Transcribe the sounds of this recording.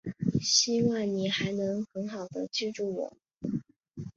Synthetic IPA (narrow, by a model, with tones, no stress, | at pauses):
ɕi˥˧wɑ˥˩ŋni˨˩xa˧˥ɪnɤ˧˥ŋxə˧˥nxɑ˨˩ʊd̪ə˦t͡ɕɛ˥˧ʈ͡ʂu˥˩wɔ̰˨˩˦